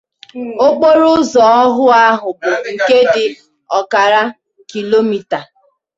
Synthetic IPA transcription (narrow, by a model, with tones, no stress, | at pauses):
o˦k͡po˦ɾʊ˦zɔ˨ɔ˦ɦʊ˦a˦ɦʊ˨bʊ˨ŋ̩˨ke˦dɪ˨ | ɔ˨ka˨ɾa˦ | ki˨lo˦mi˨ta˨